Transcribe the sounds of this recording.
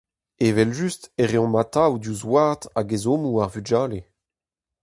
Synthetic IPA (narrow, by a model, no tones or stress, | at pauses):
evɛlʒysteʁeɔ̃mat̪awd̪uzwaʁt̪aɡezomuaʁvyd͡ʒaːle